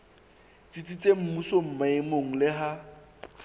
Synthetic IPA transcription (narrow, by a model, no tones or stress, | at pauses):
t͡sʼit͡sʼit͡sʼem̩musom̩maɪmoŋ̩lɪɦa